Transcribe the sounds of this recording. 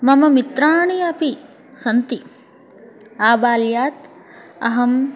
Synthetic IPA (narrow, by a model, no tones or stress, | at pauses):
mɐmɐmit̪ɾaːɳiɐpi | sɐnt̪i | aːbaːljaːt̪ | ɐɦɐm